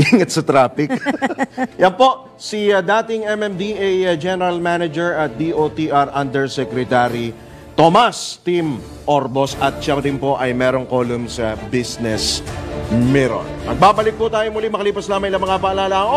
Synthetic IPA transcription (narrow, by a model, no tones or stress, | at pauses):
ʔiŋɐt̪̚sɐt̪ɾaːpɪk | jɐnpo̞ʔ | sid̪aːt̪ɪŋɛmɛmd̪iʔajd͡ʒɛnɛɾɐlmanɐd͡ʒɛɹʔɐt̪̚d̪iʔot̪iʔaɾʔɐnd̪ɛɹsɛkɾɛt̪aɾi | t̪omast̪im | ʔoɾbo̞sʔɐt̪̚ʃɐpɐd̪ɪnpo̞ʔɐjmɛːɾo̞ŋko̞ːlʊmsɐbisnɛs | mɛɾo̰nmɐɡ̚baːbɐlɪk̚put̪aːjomʊlimɐkɐliːpɐslaːmɐŋɪlɐŋmɐŋabɐɐlaːlaŋo